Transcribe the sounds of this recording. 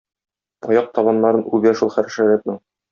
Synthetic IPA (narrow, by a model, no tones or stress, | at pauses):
ɒjɑq̚t̪ɒβɑnːɑɾɤnʉbæʃulˠχæɾɘ̆ʃæɾæt̪̚nɘɴ